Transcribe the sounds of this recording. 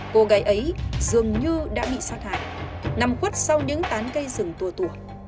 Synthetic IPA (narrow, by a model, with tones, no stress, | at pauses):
ko˧ɣaː˨˦jʔə˨˦jzɨ˨˩əŋɲɨ˧ɗa̰ː˧˥ɓḭ˧˨saː˦˥t̚ha̰ː˧˨jna˧mxwə˦˥t̚sa˧wɲɨ̰˧˥ŋt̪aː˨˦nkə˧jzɨ˨˩ŋt̪u˨˧˩ət̪u˧˩ə